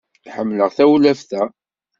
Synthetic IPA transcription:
iħəmːləʁθæwlæfθæ

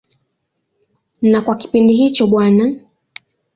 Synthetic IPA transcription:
nakwaki̥pindiɦit͡ʃɔɓwana

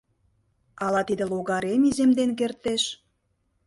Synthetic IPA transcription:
ɑlɑt̪id̪ĕloɣɑɾemizemd̪enk̬ert̪eʃ

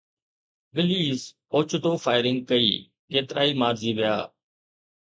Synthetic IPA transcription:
ɡəliːs | oːt͡ʃʰd̪oːfaːɪɾɪ̃ŋɡ̚kəḭː | keːt̪ɾaːiːmaːɾziːʋɪja̰ː

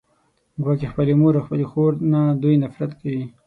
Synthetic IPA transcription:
ɡwɑːkexpəlemoɾaxpəlexoɾnad̪ujnafɾat̪kawi

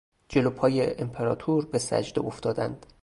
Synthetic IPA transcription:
d͡ʒe̞lopʰɒːjeʔempʰeɾɒːt̪ʰuɾbesæ̰d͡ʒd̪e̞̰oft̪ɒːd̪ænd̪̥

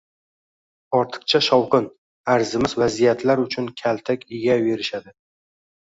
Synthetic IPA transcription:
ɒɾt̪ʰɨ̥q̚t͡ʃʰaʃɒwqɨn | aɾzɪmɪzvazijat̪ʰlaɾʊt͡ʃʰʊnkʲʰalt̪ʰakʲɪɡʲave̞ɾɪʃad̪ɪ

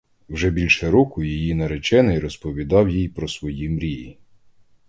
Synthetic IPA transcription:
wʒɛbʲilʲʃɛɾɔkʊjijinɐɾet͡ʃɛnɪjɾɔspɔʋʲid̪ɑwjijpɾɔsʋɔjimɾʲiji

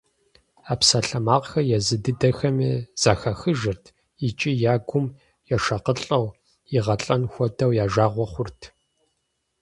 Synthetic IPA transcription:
aːpsaːɬɐmaːʁxɐjɛzɨdɨdɐxɐmiːz̥aːxɐxɨʒɨrtʰ | it͡ʃʼijaːɡʷʊm | jɛʃɐqəɬʼɐw | jɪʁɐɬʼɐnxʷɔdɐwjaːʒaːʁʷɔχʷʊrtʰ

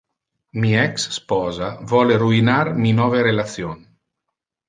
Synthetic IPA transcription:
miɛksːpɔːzavɔleruinarminɔveɾelat̪sjon

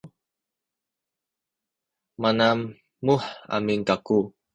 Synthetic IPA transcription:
manamː | uħa̰miŋkaku

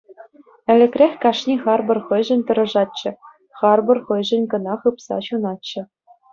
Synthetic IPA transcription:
ɘ̆lʲɘ̆kʲrʲexʲkɑʂnʲiχɑrbɤ̆rχɤ̆jʐɘ̆nʲt̪ɤ̆ɾɤ̆ʐɑt̪̚t͡ɕːɘ̆ | χɑrbɤ̆rχɤ̆jʐɘ̆nʲkɤ̆nɑχɯpsɑ̰ɕunɑtt͡ɕːɘ̆

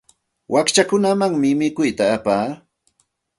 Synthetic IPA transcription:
wʔakt͡ʃakʊnamaŋmɪmɪkʊjt̪aːpaː

